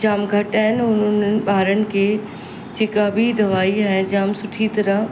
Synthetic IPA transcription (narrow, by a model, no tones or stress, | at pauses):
d͡ʑaːmɡʱɐʈaːɦɪnɪʊnʊnənɪ̆ɓaːɾənɪ̆kʰeː | d͡ʑeːkabʱid̪ɐʋaːiaːɦɪnd͡ʑaːmsʊʈʰit̪ɐɾəɦ